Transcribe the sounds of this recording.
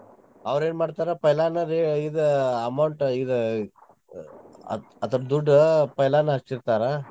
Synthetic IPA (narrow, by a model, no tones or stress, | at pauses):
ɐʋɾeːnmaːɖt̪aːɾepɐjlaːnɐɾeid̪ɐɐmɐwɳʈid̪ | ɐt̪ɐɾɐd̪uɖːpɐjlaːnɐɐst͡ʃiɾt̪aːɾe